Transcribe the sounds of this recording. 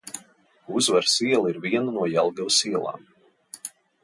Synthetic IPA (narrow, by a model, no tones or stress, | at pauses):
uzvaɾsiɛlˠiɾviɛnunuɔjɛlˠɡawsiɛlˠa̰ːm